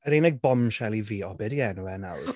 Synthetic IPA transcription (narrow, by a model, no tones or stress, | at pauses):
əɾenɛɡ̚bɔmʃɛlˠiviːɔbɛdiɛnuɛnawr